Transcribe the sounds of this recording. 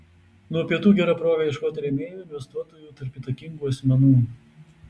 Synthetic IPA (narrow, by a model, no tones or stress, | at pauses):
nuɔpʲiɛt̪uːɡʲɛɾɐpɾoːɡʲɐɪʃkoːt̪ːɾʲɛmʲeːjuːɪnʲʋʲɛst̪uɔt̪oːjuːt̪ɐɾʲpʲit̪ɐkʲɪŋɡuːɐsʲmʲɛnuː